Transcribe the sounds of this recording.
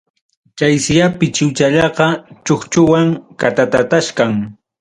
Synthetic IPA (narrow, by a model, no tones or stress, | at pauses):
t͡ʃajsɪjapɪt͡ʃɪwt͡ʃaʎɑqɑt͡ʃoχt͡ʃʊwaŋkat̪at̪at̪aʃkaŋ